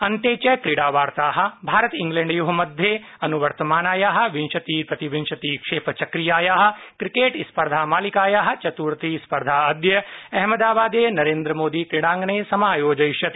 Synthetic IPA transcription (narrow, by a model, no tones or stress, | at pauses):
ɐnt̪eːt͡ʃɐjkɾiɽaːʋaːɾt̪aːɦɐ̆bʱaːɾɐt̪iŋɡleːɳɖjuɦɐmɐd̪ʱje | ɐnuʋɐɾt̪ɐmaːnaːjaːɦɐ̆ʋinʃɐt̪iːpɐt̪iʋinʃɐt̪iːkʂeːpʰɐt͡ʃɐkɾijaːjaːɦɐ̆kɾikeːʈispɐɾd̪ʱaːmaːlikaːjaːɦɐ̆t͡ʃɐt̪uːɾt̪iːspɐɾd̪ʱaːɐd̪jɐɛɦmɐd̪aːbaːd̪eːnɐɾeːnd̪ɾɐmoːd̪iːkɾiɽãːŋɡneːsɐmaːjoːd͡ʒɐjʃjɐt̪